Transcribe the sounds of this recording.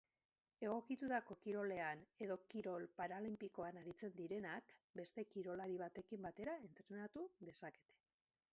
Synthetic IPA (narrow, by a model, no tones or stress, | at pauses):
e̞ɣ̞o̞kit̪ut̪ako̞kiɾo̞le̞ane̞ðo̞kiɾo̞lpaɾalimpiko̞anaɾit͡se̞nd̪iɾe̞nakbe̞st̪e̞kiɾo̞laɾiβ̞at̪e̞kimbat̪e̞ɾae̞nt̪ɾe̞nat̪uðe̞sake̞̥t̪e̥